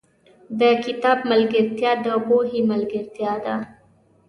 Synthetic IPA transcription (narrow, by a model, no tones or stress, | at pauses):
d̪əkɪt̪ɑːb̚məlɡɪɾt̪jɑd̪əboɦiməlɡəɾt̪jad̪a